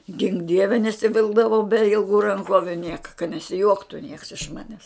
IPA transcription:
ɡʲɪŋk ˈdʲiɛʋʲɛ nʲɛsʲɪˈʋʲɪlˠɡdɐʋɐʊ bʲɛ ɪlˠˈɡuː rɐŋˈkoːʋʲʊ ˈnʲiɛkɐ kɐ nʲɛsʲɪˈjuɔktʊ nʲiɛks ɪʃ ˈmɑːnʲɛs

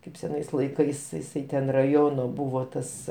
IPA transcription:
ˈkɐɪp sʲɛˈnɐɪs lˠɐɪˈkɐɪs jɪˈsɐɪ tʲɛn rɐˈjoːnoː ˈbʊʋoː ˈtɐs

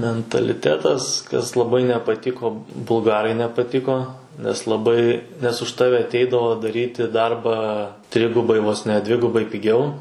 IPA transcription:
mʲɛntɐlʲɪˈtʲæːtɐs kɐs lˠɐˈbɐɪ nʲɛpɐˈtʲɪkoː bʊlˠˈɡɑːrɐɪ nʲɛpɐˈtʲɪkoː nʲɛs lˠɐˈbɐɪ nʲɛs ʊʃ ˈtɑːʋʲɛ ɐtʲˈɛɪdɐʋoː dɐˈrʲiːtʲɪ ˈdɐrbɑː ˈtʲrʲɪɡʊbɐɪ ʋoːs ˈnʲɛ ˈdʲʋʲɪɡʊbɐɪ pʲɪˈɡʲɛʊ

